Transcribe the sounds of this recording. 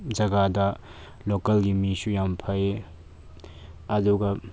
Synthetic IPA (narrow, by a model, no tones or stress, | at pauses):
d͡ʒɐɡadɐ | lokɐlɡimisujampʰɐj | ɐduɡɐ